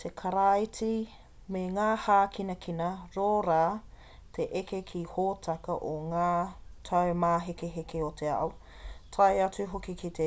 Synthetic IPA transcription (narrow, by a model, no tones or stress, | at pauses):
tʰekʰaɾaiti | meŋaːhaːkʰinɐkʰinɐɾoːɾaː | tʰeʔekekʰihoːtʰɐkɐʔoŋaːtʰɐwmaːɦekeɦekeotʰeɐ̰ʔw | tʰɐjɐt͡suɦokikitʰe